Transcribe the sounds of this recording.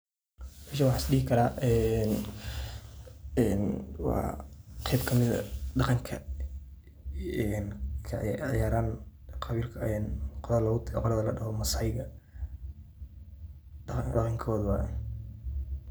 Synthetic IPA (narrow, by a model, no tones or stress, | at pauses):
bɛʃ̬ɐwɑħɑːsɗiːɦɪkʰɐɾaːʔɛːn | ɛːnwɑ̰ːqɑjbkʰɐmɪðɐ̰ɖɑqɑŋkʰɐ | ɛnkʰɐʕʕjaːɾaːnqʰɑβiːlkʰɐɛnqɔðɐlɐɣʊt̪ʰqɔɾɐðɐlɐɖɐhɔmɐsħɑjɣɐ | ɑqɑŋkʰɔːd̪wɑ